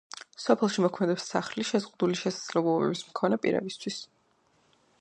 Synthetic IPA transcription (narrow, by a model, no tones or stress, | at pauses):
sɔpʰɛlˠʃimɔkʰmɛd̪ɛpsaχliʃɛzʁud̪uliʃɛsad̪z̥lɛblˠɔbɛ̰bismkʰɔnɛpʼḭɾɛ̰bist̪ʰwis